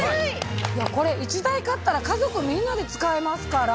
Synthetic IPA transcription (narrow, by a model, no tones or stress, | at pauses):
jako̞ɾe̞it͡ɕid̪aikat̪ːaɾakazo̞kɯ̟mʲĩnːad̪e̞t͡sɨ̥kaemasɨ̥kaɾa